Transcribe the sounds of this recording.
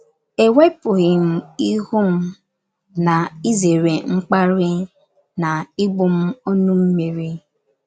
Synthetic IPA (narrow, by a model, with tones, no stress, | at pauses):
e˨we˦pʊ˨ɣɪ˨m̩˦i˦hʊ˦m̩˦ | na˨i˦ze˨ɾe˨ŋ͡m̩˦k͡pa˦ɾɪ˦ | na˨ɪ˦ɡ͡bʊ˦m̩˦ɔ˦nʊ˦m̩˦me˨ɾi˦